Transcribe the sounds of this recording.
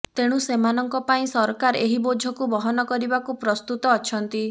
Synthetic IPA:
t̪eɽ̃ũsemanɔŋkɔpaĩsɔɾkaɾeɦibod͡ʒʱɔkubɔɦɔnɔkɔɾibakupɾɔst̪ut̪ɔːt͡ʃʰɔnt̪i

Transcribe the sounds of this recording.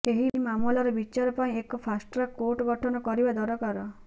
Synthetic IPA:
keɦimamulɔɾɔbit͡ʃaɾɔpaĩekɔpʰasʈɾɔkoʈɔɡɔʈʰɔnɔkɔɾibad̪ɔɾɔkaɾɔ

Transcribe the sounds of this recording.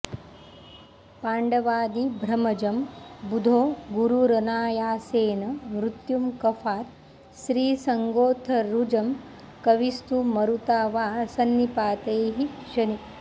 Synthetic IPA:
paːɳɖɐʋaːd̪ibʱɾɐmɐd͡ʒɐmbud̪ʱoːɡuɾuɾɐnaːjaːseːnɐmɾut̪jumkɐfʰaːɾ | ʃɾiːsɐŋɡoːt̪ʰɐɾud͡ʒɐm | kɐʋist̪umɐɾut̪aːʋaːsɐnːipaːt̪ɐjɦiʃɐni

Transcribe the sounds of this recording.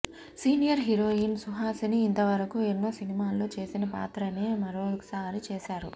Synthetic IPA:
siːnijɐɾɦiɾoːinsuɦaːsiniːnt̪ɐʋɐɾɐkuenːoːsinimaːlːo̞ːt͡ʃe̞ːsinɐpa̰ːt̪ɾɐneːmɐɾoːkɐ̥saːɾit͡ʃeːʃaːɾṵ

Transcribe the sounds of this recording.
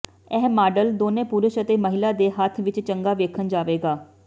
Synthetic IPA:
ɛːɦmaːɖəld̪oːnẽːpuɾəʃət̪eːməɦɪlaːd̪eːɦət̪ʰʋɪt͡ʃt͡ʃəŋɡaːʋeːkʰənd͡ʒaːʋeːɡaː

